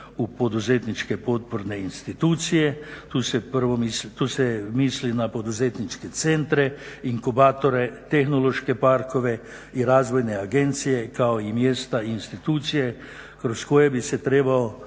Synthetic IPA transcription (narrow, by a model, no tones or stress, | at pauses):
upɔd̪uzeːt̪nit͡ʃkɛpot̪̚pɔɾnɛinst̪it̪uːt̪sijɛt̪usɛpəɾʋɔmist̪uːsɛmiːslinapod̪uzet̪nit͡ʃkɛt̪sent̪ɾɛiŋkubaːt̪ɔɾɛt̪ɛxnoloʃkɛpaɾkɔʋɛ | iɾaːzʋɔjnɛaɡent̪sijɛkaoimjeːst̪ainst̪it̪uːt̪sijɛ | kɾoskoːjɛbisɛt̪ɾeːbaɔ